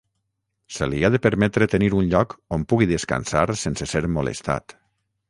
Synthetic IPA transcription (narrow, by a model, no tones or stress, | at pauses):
seliaðepəɾmɛt̪ɾet̪eniɾunʎɔkompuɣiðeska̰nsaɾsenseseɾmolḛst̪a̰t̪